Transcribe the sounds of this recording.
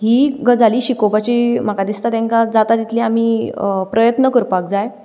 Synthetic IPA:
ɦiːɡʱəd͡zʱaliːɕikobat͡ɕiːm̤akad̪ist̪at̪ɛ̃ŋkad͡zat̪ad̪it̪lĩam̤iːpɾəjət̪nəkəɾpak̚d͡zaj

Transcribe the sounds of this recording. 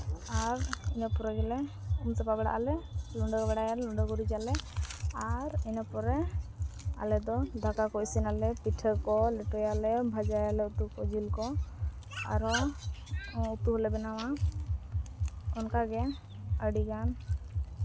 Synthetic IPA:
aɾinapɔɾɛɡɛlɛ | umsɛpabɛɽa̰ʔalɛluɳɖɔkbɛɽajalɛlɔɳɖɔɡɔɾid͡ʒalɛaɾinapɔɾɛ | a̰lɛd̪ɔd̪ʱakakɔisinalɛpiʈʰəkɔlɛʈɔjalɛbʱad͡ʒajalɛut̪ukɔd͡ʒilkɔ | a̰ɾɔ | ut̪uɦɔlɛbɛnawa | ɔnkaɡɛ | əɽiɡan

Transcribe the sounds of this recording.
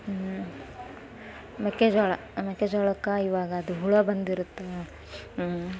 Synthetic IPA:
meked͡ʒɔːɭɐ̰ | mekːed͡ʒɔːɭɐkːaiʋaːɡɐːd̪uɦuɭɐbɐnd̪iɾut̪ːe

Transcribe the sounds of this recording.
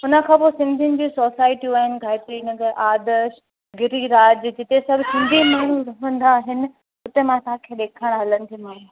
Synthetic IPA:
ʊnə̆kʰãːposɪ̃nd̪ʱijənɪ̆d͡ʑiːsoːsaːɪʈiuaːɦɪnɪ̆ɡʱaːɪʈ̪enəɡəʔaːd̪əʃ | ɡɪɾiɾaːd͡ʑd͡ʑɪt̪esɐbʱsɪ̃nd̪ʱimaːɽ̤̃uɾɐɦə̃n̆d̪aːɦɪnɪ̆ | ʊt̪emãsãkʰeɗeːkʰəɽ̃ɦɐlənɪ̆t̪ʰimaːɦũ

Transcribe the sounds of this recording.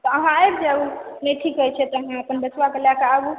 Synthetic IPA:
t̪ɔəɦãeɾd͡ʒəbneʈʰikɦət͡ʃʰɛt̪ɔəɦãəpənbət͡ʃʰʋakeljakeaɡu

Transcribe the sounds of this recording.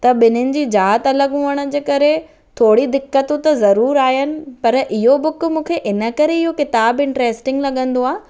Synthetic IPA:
t̪ɐɓɪnʊnɪ̆d͡ʑiːd͡ʑaːɦət̪ɐləɠɦũəɽ̃ə̆d͡ʑeːkɐɾe | t̪ʰoːɽid̪ɪkːət̪ũt̪ɐzɐɾuːɾaːɦɪnɪ̆pɐɾʔɪɦobʊkʊ̆mũːkʰeʔɪnə̆kɐɾeɪɦokɪt̪aːbɪ̃ɳʈɾeːsʈɪ̃ŋɡlɐɠə̃nd̪oaːɦ

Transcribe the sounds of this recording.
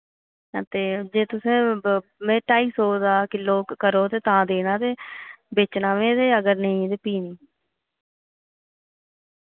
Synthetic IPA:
ət̪eːd͡ʒeːt̪ʊsẽːmẽːʈaːiːsɦoːd̪aːkɪloːkəɾoːt̪eːt̪ãːd̪eːnaːt̪eːbeːt͡ʃnaːʋẽːt̪eːəɡəɾnəĩːt̪eːpiːniː

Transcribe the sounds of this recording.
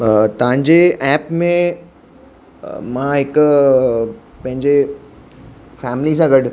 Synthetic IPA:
t̪ɐʋ̤ãɲd͡ʑeɛːpmẽ | mãɦɪk | pɐ̃ɦɪ̃ɲd͡ʑe | fɛːmlis̬ãɡɐʈ

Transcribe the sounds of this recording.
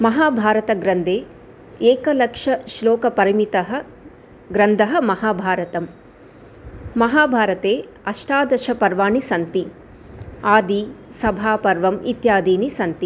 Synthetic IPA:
mɐɦaːbʱaːɾɐt̪ɐɡɾɐnd̪ʱeː | eːkɐlɐkʂɐʃloːkɐpɐɾimit̪ɐɦɐ̆ | ɡɾɐnd̪ʱɐɦɐmɐhaːbʱaːɾɐt̪ɐm | ɐɦaːbʱaːɾɐt̪eː | ɐʂʈaːd̪ɐʃɐpɐɾʋaːɳisɐnt̪i | aːd̪isɐbʱaːpɐɾʋɐmḭt̪jaːd̪iːnisɐnt̪i

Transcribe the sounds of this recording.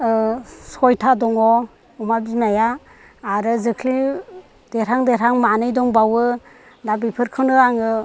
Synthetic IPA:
sɔjtʰadɔŋɔ | ɔmabinajaː | ɾɯzɯkʰli | d̥eɾaŋdeɾaŋmanɯjdɔŋbawɯ | dabipʰɯɾkʰɯndɯaŋɯ

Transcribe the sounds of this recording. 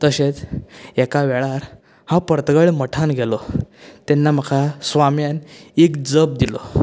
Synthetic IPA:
t̪əɕet͡sɛkaʋɛɭaɾ | hãpəɾt̪əɡəɭməʈʰanɡʱɛlɔt̪ɛnːam̤əkʰasʋamjanekd͡zəb̚d̪ilɔ̰

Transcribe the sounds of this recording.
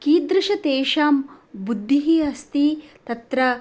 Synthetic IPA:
kiːd̪ɾɪʃɐt̪eːʃaːmbud̪ʱːiɦiːɦɐst̪it̪ɐt̪ɾɐ

